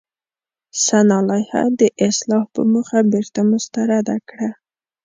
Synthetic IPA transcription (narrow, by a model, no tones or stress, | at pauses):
sanɑlɑjha̰d̪əʔɪslɑhpə̰məxabeɾt̪amʊst̪aɾad̪akɽa